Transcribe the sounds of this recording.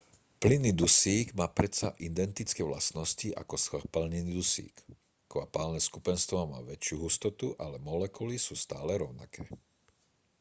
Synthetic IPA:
plinid̪usiːɡmaːpɾɛt̪sa̰ʔind̪ɛnt̪it͡skɛʋlasnɔsciʔa̰kɔspalɲinid̪usḭːk | kʋapaːlnɛskupɛnst̪ʋɔma̰ːʋɛt͡ʃɪuɦust̪ɔt̪uʔalɛmɔlɛkulisuːst̪aːlɛɾɔʊna̰kʰɛː

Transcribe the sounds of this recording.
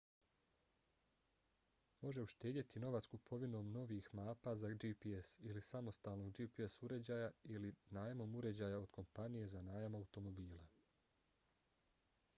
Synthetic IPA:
mo̞ʒe̞uʃt̪e̞ːd̪jet̪ino̞ʋat̪skupʰo̞ʋino̞ːmno̞ʋiːxmaːpazad͡ʒipiesilisamo̞st̪aːlˠno̞ɡd͡ʒiːpiesuɾe̞d͡ʑaːjailinaːjamo̞muɾe̞d͡ʑaːjao̞d̪̥kʰo̞mpanije̞zanaːjamaut̪o̞mo̞biːlˠa

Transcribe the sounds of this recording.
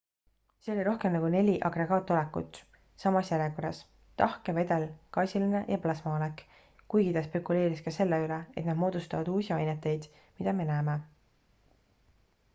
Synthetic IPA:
se̞o̞lʲiɾo̞hke̞mnɑɡ̥une̞lʲiʔɑɡre̞ɡ̥ɑːt̪ːˑo̞lekːˑṵt̪ːˑ | sɑmɑsjæɾekoɾɑs | t̪ɑhkeve̞d̪e̞lkɑːsʲiline̞jɑplɑsmɑonek | kujɡit̪ɑspekule̞ːɾiskɑse̞lːeylee̞t̪nɑd̪̥mo̞ːd̪̥ust̪ɑvɑd̪uːsʲiɑjnet̪ːˑe̞jd̪̥ | mid̪ɑme̞næːme̞

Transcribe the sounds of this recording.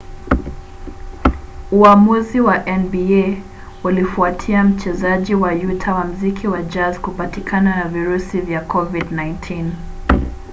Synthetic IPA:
uamuziwaʔɛnbie | ulifuatʰiam̩t͡ʃɛzaʄiwajutʰawam̩zikʰiwad͡ʒazkupatikʰananaviɾusivjakʰɔvidnajntʰin

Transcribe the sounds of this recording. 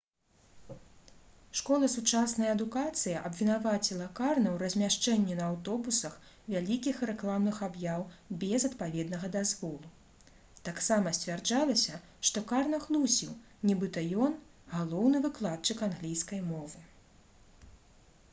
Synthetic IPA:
ʂkɔlˠɐsut͡ʂasnɐjɐɐd̪ukat̪sɨjɐʔɐbvʲinavat͡sʲilˠɐkarnɐwrɐzʲmʲaʂt͡ʂɛnʲːɛnɐawt̪ɔbusɐx | vʲalʲikʲixrɛklˠamnɨxabjawbʲɛzɐt̪̚pavʲɛd̪nɐɣɐd̪azvɔlˠu | t̪aksamɐsʲt͡sʲvʲard͡ʐalˠɐsʲɐ | ʂt̪ɔkarnɐɣlˠusʲiw | nʲibɨt̪ɐjɔn | ɣalˠɔwnɨvɨklˠat̪̚t͡ʂɨkanɣlʲijskɐjmɔvɨ

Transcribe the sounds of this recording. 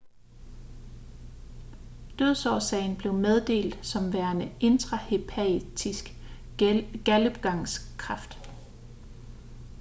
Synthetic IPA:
d̥øð̞ˠsɒʊsɛɪn̩b̥le̝ʊmeð̞ˠd̥e̝̰ːld̥sɒ̽mʋæɐnəʔe̝nd̥ʁɑ̈he̝pʰæd̥ʰisɡ̥ | ɡ̥æləb̥ɡ̥ɑ̈ŋskʰʁɑ̈fd̥

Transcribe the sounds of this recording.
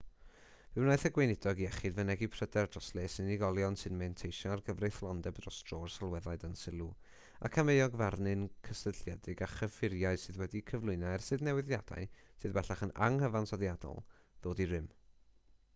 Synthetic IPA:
v̥ɨwnajθəɡwenɪdɔɡiɛχɨdvənɛɡipʰr̥ədɛrdrɔslˠesɨniɡɔlˠjɔnsɨnmɛntʰejʃɔarɡəvrɨθlˠɔndɛbdrɔstrorsalˠwɛðaɨdənsɪlˠu | a̰kʰamejɔɡvarnɨnkʰəsəɬjɛdɨɡaχəfɪɾjaɨ̥sɨðwɛdikʰəvlˠʊɨnaɛrsɨðnɛwɪðjad̥a̰ɨsɨðbɛɬaχəna̰ŋhəvansɔðjadɔ̰lˠ | ð̥oːdirɪm

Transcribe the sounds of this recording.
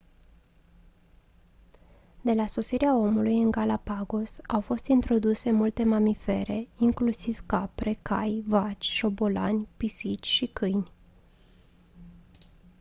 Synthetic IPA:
d̪e̞laso̞siɾeao̞mulujɨŋɡalapaɡosawfo̞st̪int̪ɾo̞d̪use̞mult̪e̞mamife̞ɾe̞iŋklusiv̥kapɾe̞kajvat͡ʃʲʃo̞bo̞la̰nʲpisit͡ʃʲʃikɨjnʲ

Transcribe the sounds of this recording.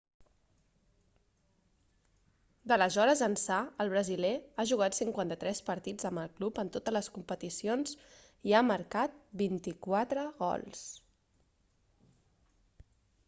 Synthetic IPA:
d̪ələzɔɾəzənsaəlˠβ̞ɾəzilɛaʒuɣat̪siŋkwant̪ət̪ɾɛspəɾt̪id͡zəmbəlˠklupənt̪ot̪əzləskumpət̪isionz | iaməɾkat̪̚bint̪ikwat̪ɾəɣɔ̰lˠs

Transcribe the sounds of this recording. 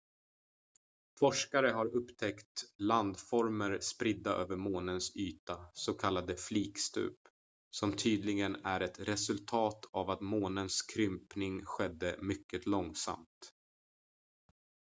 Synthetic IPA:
fɔʂkaɾəɦaɾɵpːt̪ʰɛkt̪land̪fɔɾməɾspɾɪd̪ːaʔø̰ːvəɾmoːnənsyːt̪asɔkʰalːad̪əfliːkst̪ʉ̰ːp | sɔmt̪ʰyːd̪lɪɡənæɾɛt̪ɾɛsɵlt̪ʰɑːt̪ʰavat̪moːnənskʰɾʏmpnɪŋɧɛd̪ːəmʏkːət̪lɔŋsa̰mt̪

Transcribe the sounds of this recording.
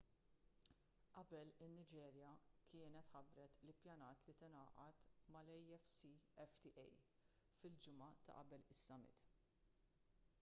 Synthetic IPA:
ʔɐbɛlɪnːɪd͡ʒɛːɾjɐkʰɪːnɛt̪ħɐbɾɛt̪lɪpjɐnɐːt̪lit̪ɪnɐːʔɐt̪mɐlɛjɛfsiɛft̪iʔɛj | fɪld͡ʒɪmɐt̪ɐ̰ʔɐbɛlɪsːɐmɪ̰t̪

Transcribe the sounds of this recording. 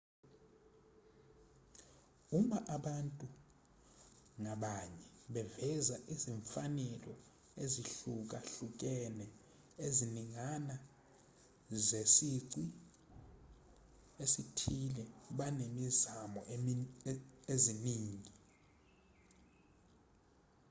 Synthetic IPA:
uɓaʔaɓantʼu | ŋaɓaɲɛɓɛvɛzaʔiziɱfanɛlɔ | eziɬuk̬aɬuk̬ʼɛnɛ | eziniŋana | zesiǀi | esitʰilɛɓanemizamɔ̰ | eziniːŋi

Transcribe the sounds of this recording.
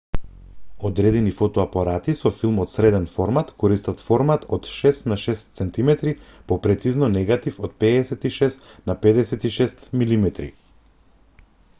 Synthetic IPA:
ɔd̪ɾɛd̪ɛnifɔt̪ɔapaɾat̪isɔfilˠmɔt̪sɾɛd̪ɛnfɔɾmat̪kʰɔɾist̪at̪fɔɾmat̪ɔt̪ʃɛst̪naʃɛst̪sɛnt̪imɛt̪ɾipɔpɾɛt̪siznɔnɛɡat̪ifɔt̪̚pɛːsɛt̪iʃɛst̪napɛd̪ɛsɛt̪iʃɛst̪milimɛt̪ɾḭ

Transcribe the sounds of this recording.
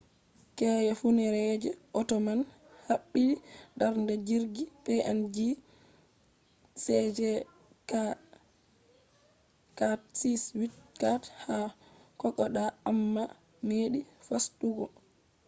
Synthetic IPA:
kɛːjɛfunɛɾɛd͡ʒɛʔɔtɔman | haɓːilidaɾndɛd͡ʒiɾɡipɛʔand͡ʒi | sɛd͡ʒɛ | ka | katsiswitkathakɔkːɔɗaamːa | meːɗifastuɡɔ

